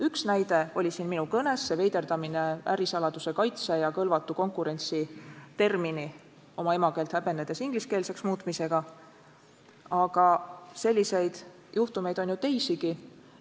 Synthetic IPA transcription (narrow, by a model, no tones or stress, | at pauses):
yksnæjd̪̥e̞o̞lʲisiːnminukɤne̞sːe̞ve̞jd̪e̞rd̪ɑmine̞æ̰ɾisɑlɑd̪̥use̞kɑjt̪sejɑkɤlvɑt̪ːˑuko̞ŋkˑuɾe̞nʲt̪sit̪e̞rmini | o̞mɑe̞mɑke̞ːlt̪hæbe̞nːed̪̥e̞siŋɡ̥liske̞ːlse̞ksmuːt̪ˑmise̞ɡ̥ɑ | ɑɡ̥ɑse̞lʲːise̞jd̪̥ | juht̪ume̞jd̪o̞njut̪e̞jsiɡ̥i